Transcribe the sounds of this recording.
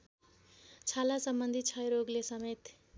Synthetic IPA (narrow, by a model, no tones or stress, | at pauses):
t͡sʰalasʌmbʌnd̪ʱit͡sʰʌjɾoɡlesʌmet̪